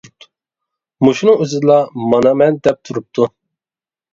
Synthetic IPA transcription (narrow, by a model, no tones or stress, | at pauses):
muʃunɨŋyzɨd̪ɨlˠɑmɑnɑmɛnd̪ɛp̚t̪ʰuɾup̚t̪ʰu